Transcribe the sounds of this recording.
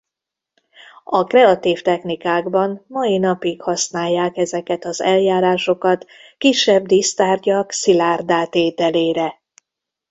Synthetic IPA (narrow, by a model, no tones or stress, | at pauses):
ɒkrɛɒt̪iːft̪ɛxnikaːɡbɒnmɒinɒpikhɒsnaːjːaːkɛzɛkɛt̪ɒzɛljaːɾaːʃo̞kɒt̪kiʃːɛbd̪ist̪aːrɟɒksilaːrd̪aːt̪eːt̪ɛleːɾɛ